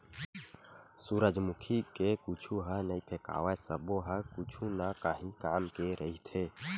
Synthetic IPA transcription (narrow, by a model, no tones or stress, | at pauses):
suɾəd͡ʒmʊkʰikekut͡ʃʰuɦənəipʰeka̰ːwasəboɦəkʊt͡ʃʰunakaɦĩkaːmkeɾʔəɦit̪ʰeː